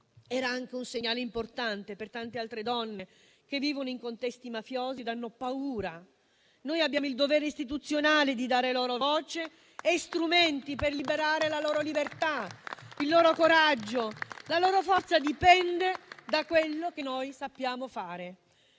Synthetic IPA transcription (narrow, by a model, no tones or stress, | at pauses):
ɛːɾaaŋk̟eunseɲːaːleimport̪ant̪epert̪ant̪ealt̪ɾed̪ɔnːe | k̟evːiːvonoiŋkont̪ɛst̪imafjoːzid̪anːopauːɾa | noːjabjaːmoild̪ovɛːɾeist̪it̪ut̪sːjonaːled̪id̪aːɾelɔːɾovɔːt͡ʃe | est̪ɾumɛnt̪iperlibeɾaːɾelalɔːɾolibert̪ailːɔːɾokoɾad͡ʒːolalɔːɾofɔrt̪sad̪ipɛnd̪ed̪akwelːok̟enojsapːjaːmofaːɾe